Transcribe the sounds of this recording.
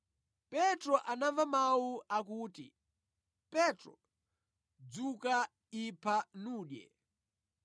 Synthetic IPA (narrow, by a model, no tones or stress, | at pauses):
pɛtɾɔʔanavamawuʔakuːtḭ | pɛtɾɔ̰ | d͡zuka | ipʰanuːɗjɛ̰